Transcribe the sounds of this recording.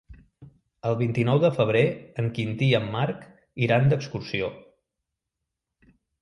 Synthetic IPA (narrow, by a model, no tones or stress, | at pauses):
əlˠβint̪inɔwðəfəβ̞ɾeəŋkint̪iəmːaɾk | iɾand̪əkskursio